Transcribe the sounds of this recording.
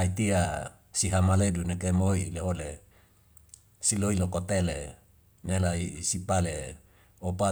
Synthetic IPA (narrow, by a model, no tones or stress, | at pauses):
ait̪ia | siɦamaledunekemoileɦole | siloilokot̪ele | nelaisipale | opa